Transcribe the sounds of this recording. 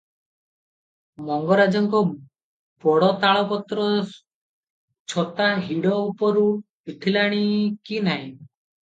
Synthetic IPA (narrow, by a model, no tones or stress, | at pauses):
mɔŋɡɔɾad͡ʒɔŋkɔ | pɔɽɔt̪aɭɔpɔt̪ɾɔ | t͡ʃʰɔt̪aɦiɽɔupɔɾu | piʈʰilaɽ̃ikinaɦĩ